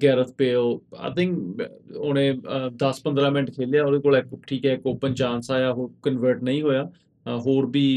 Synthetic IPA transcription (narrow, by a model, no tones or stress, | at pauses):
ɡɛːɾət̪ʰpeːoːa̰ɪt̪ʰɪ̃ŋkoːnẽːd̪əspə̃nd̪ɾãːmɪnəʈkʰeːljaːoːd̪eːkoːlɪkʈʰiːkɦɛːɪkoːpənt͡ʃãːnsaːjaːɦoːɾkənʋəɾʈnəĩːɦoːjaː | ɦoːɾbiː